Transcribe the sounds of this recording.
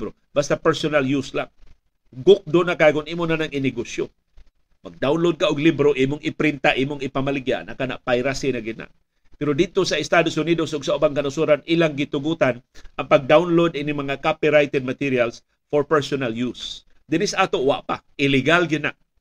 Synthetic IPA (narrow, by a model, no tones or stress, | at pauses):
bɾo | bast̪apɛɹsonaljuslaŋ | ɡʊk̚d̪onakakʊniːmonanaŋɪnɪɡosjo | maɡ̚d̪awnlod̪̚kaʔʊɡlibɾoʔiːmʊŋɪpɾɪnt̪aʔiːmʊŋɪpamalɪɡja̰ʔnakana̰ʔpajɾasɪnaɡɪna̰ʔ | pɛɾod̪ɪd̪̚t̪osaɪst̪ad̪ʊsʊniːd̪osʔʊɡsaʔʊbaŋkɐnʊsuɾanʔilaŋɡɪt̪ʊɡut̪anʔɐŋpaɡ̚d̪awnlod̪ɪnɪmɐŋakapiɾajt̪ɛd̪̚mat̪iɾijals | foɹpɛɹsonaljus | d̪ɪnɪsʔaːt̪oʔwa̰ʔpaʔɪlɪɡalɡɪnaʔ